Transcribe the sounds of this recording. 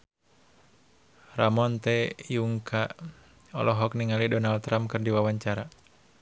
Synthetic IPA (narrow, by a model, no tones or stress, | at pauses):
ramɔnt̪ɛjuŋkʰa | ɔ̰lʔɔɦɔkniŋalidɔnald̚t̪ɾamkɨrdiwawaɲt͡ʃaɾa